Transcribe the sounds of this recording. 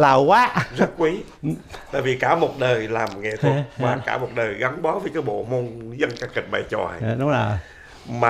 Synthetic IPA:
laː˨˩wkwaː˦zə˦˥t̚kwi˨˦ | t̪a̰ː˧˨jvi˨˩kaː˧˩mo˨˩t̚ɗəː˨˩jlaː˨˩mŋḛ˧˨t̪ʰu˨˦˩t̚vaː˨˩kaː˧˩mo˨˩t̚ɗəː˨˩jɣa˨˦nɓɔ˨˦vəː˨˦jkaː˨˦jɓo̰˧˨mo˧nzə˧nkaː˦˥kːï˨˩k̚ɓa̰ː˧˨jt͡ɕɔ̰˨˩jɗʊ˨˦o˨˩ | maː˨

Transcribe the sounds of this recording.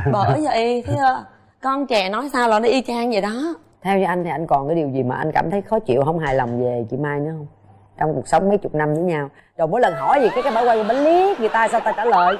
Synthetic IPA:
ɓəː˧˨˩zəː˨˩ʔi˧t̪ʰi˨˦ʔəː˧ | kɔ˧nt͡ɕɛ˧˩nɔ˨˦jsaː˧wlaː˨˩nɔ˨˦ʔi˧t͡ɕaː˧ŋzi˨˩ɗɔ˨˦ | t̪ʰɛ˧wt͡ɕɔ˧ʔa˧jŋ̟t̪ʰi˨˩ʔa˧jŋ̟kɔ˨˩nkaː˨˦jɗi˨˩əwzi˨˩maː˨˩ʔa˧jŋ̟kaː˧˩mt̪ʰə˨˦jxɔ˨˦t͡ɕḭ˧˨əwɦə˧wŋ͡mɦaː˨˩jlɔ˨˩wŋ͡mve˨˩t͡ɕḭ˧˦maː˧jnɨ̰˧˥ɦə˧wŋ͡m | t͡ɕɔ˧wŋ͡mku˨˩ək̚sə˨˦wŋ͡mmə˨˦jt͡ɕʊ˨˩k͡p̚na˧mzɨː˨˦jɲaː˧w | ɗo˨˩mo˨˦jlə˨˩nɦɔ˧˩jzi˨˩kaː˨˦jkaː˨˦jɓaː˧˦jwa˧jkːɓaː˨˦li˦˥əŋɨ˨˩əjt̪aː˧saː˧wt̪aː˧t͡ɕaː˧˩ləː˨j

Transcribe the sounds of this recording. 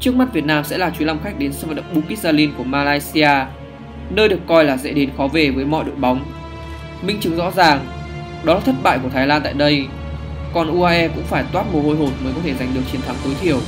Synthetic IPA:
t͡ɕɨ˦˥ək̚ma˦˥t̚vi˨˩ət̚naː˧msɛ̰˧˥laː˨˩t͡ɕu˨˦la˧wmxa˦˥jk̟̚ɗe˨˦nsɨ̰˧˩və˨˩ɗə̰˧˨ŋ͡m̚ɓu˨˦ki˦˥t̚aː˧li˧nku˧˩əmaː˧laː˧jsi˧aː˧ | nəː˧jɗɨ˨˩əkːɔ˧jlaː˨˩zḛ˧˥ɗe˨˦nxɔ˨˦ve˨˩vəː˨˦jmɔ̰˧˨ɗo̰˧˨jɓa˨˦wŋ͡m | mï˧ŋ̟t͡ɕɨ˨˦ŋzɔ̰˧˥zaː˨˩ŋ | ɗɔ˨˦laː˨˩t̪ʰə˦˥t̚ɓa̰ː˧˨jku˧˩ət̪ʰaː˨˦jlaː˧nt̪a̰ː˧˨jɗə˧j | kɔ˨˩nʔu˧ʔaː˧ʔɛ˧kʊ̰˧˥ŋ͡mfaː˧˩jt̪waː˦˥t̚mu˨˩ho˧jɦo˨˩n̚məː˨˦kɔ˨˦t̪ʰe˧˩za˨˩jŋ̟ɗɨ˨˩ək̚t͡ɕi˨˩ənt̪ʰa˨˦ŋt̪o˨˦jt̪ʰi˧˩əw

